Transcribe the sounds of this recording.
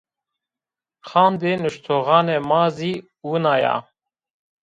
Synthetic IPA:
xɑːnd̪eːnɨʃt̪ʰoːɣɑːnɛmɑːziː | wunɑːjɑ̰

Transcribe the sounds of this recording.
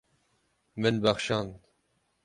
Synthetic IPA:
mɨnbæxʃɑːn

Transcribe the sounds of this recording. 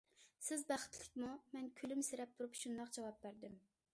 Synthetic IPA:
sɪzbæχə̥t̪lɪk̚ʲmumɛnkʲʰylymsɪɾɛp̚t̪ʰuɾupʃund̪ɑqd͡ʒɑwɑp̚bæɾd̪ɪm

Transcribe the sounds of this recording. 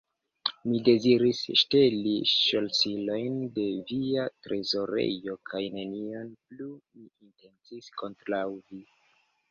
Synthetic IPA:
mide̞ziɾisʃte̞liʃo̞lsilo̞jnde̞viatɾʔe̞zo̞ɾḛjo̞kʰajne̞nio̞nplumiinte̞nt͡sisko̞ntɾawvi

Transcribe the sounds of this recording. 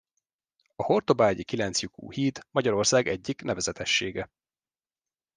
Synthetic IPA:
ɒho̞rt̪o̞baːɟikilɛnt̪sjukṵːhiːd̪mɒɟɒɾo̞rsaːɡɛɟːiknɛvɛzɛt̪ɛʃːeːɡɛ

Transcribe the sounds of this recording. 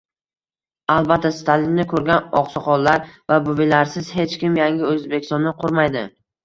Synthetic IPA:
alˠbat̪ʰːast̪ʰalɪnnɪkʰɵɾɡʲanɒ̰qsɑqɒllaɾvabʊbɪlaɾsɪz̥he̞t͡ʃkʲɪmjaŋɡʲɪɵzbekʲɪ̥st̪ɒnːɪqʰʊɾmajd̪ɪ

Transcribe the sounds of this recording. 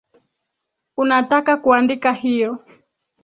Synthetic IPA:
unatakakuandikahijɔ

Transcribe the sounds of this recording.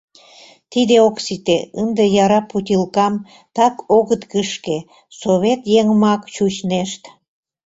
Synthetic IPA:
t̪id̪eoksit̪eənd̪ejɑɾɑput̪ʲilkɑm | t̪ɑkoɣət̪kəʃke | soβet̪jeŋmɑkt͡ɕut͡ɕneʃt̪

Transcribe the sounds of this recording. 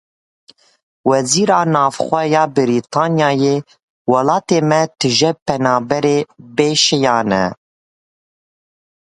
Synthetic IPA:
wɛziːɾɑːnɑːvxʷɛjɑːbɨɾit̪ʰɑːnjɑːjeː | wɑlɑːt̪eːmɛt̪ʰɨʒɛpɛnɑːbɛɾeːbeːʃɛjɑːnɛ̰

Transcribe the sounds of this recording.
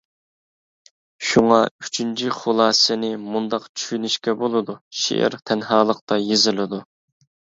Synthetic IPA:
ʃuŋɑy̥t͡ʃʰynt͡ʃʰiχolˠɑːsɨnɪmund̪ɑqt͡ʃʰy̥ʃynyʃkʲɛbolˠɨd̪uʃḛʔɪ̰ɾt̪ʰɛnɦɑːlˠəqt̪ɑjezɪlɪd̪u

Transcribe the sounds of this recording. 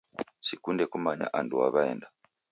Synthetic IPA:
sikundɛkumaɲa̰ʔanduaβaɛnda

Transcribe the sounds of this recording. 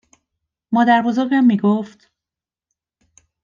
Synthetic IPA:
mɒːd̪æɾbozoɾɡæmːiːɡoft̪

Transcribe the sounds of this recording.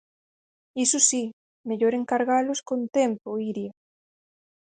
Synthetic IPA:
isusi | meʎoɾeŋkaɾɣaloskont̪empoiɾja

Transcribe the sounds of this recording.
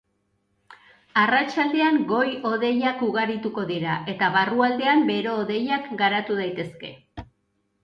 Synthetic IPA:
arat͡ʃald̪e̞aŋɡo̞jo̞ðe̞jakuɣaɾit̪uko̞ðiɾae̞t̪aβaruald̪e̞ambe̞ɾe̞ːðe̞jakɡaɾat̪uð̞ajt̪e̞ske̞̰

